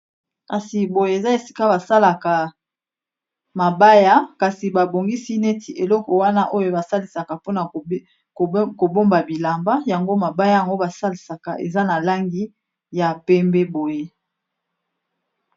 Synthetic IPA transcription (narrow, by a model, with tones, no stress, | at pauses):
ka˨si˨bo˨je˦e˨za˦e˨si̥˦ka˦ba˨sa˦la˨ka˨ | ma˨ba˦ja˦ka˨si˨ba˨bo˨ŋɡi˦si˦ne˦tʰi˨ʔe˨lɔ˦kɔ˨wa˦na˦ʔo˦jo˦ba˨sa˦li˨sa˨ka˨po˦na˨ | ko˨ko˨bo˦mba˨bi˨la˨mba˦ja˨ŋɡo˦ma˨ba˦ja˦ja˨ŋɡo˦ba˨sa˦li˨sa˨ka˨ʔḛ˨za˦na˨la˦ŋɡi˦ | ja˨pɛ˦mbɛ˦bo˨je˦